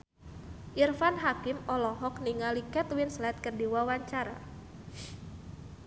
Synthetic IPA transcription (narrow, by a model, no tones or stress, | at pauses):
ʔirfanɦakɪmɔlɔɦɔkniŋalikɛt̪winslɛt̪̚kərdiwawaɲt͡ʃaɾa̰